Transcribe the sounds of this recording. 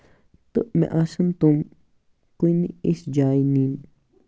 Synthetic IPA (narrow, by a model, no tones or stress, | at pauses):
t̪əʔmɛ̰̃ʔasənt̪um | kuiniisd͡ʒaːjnin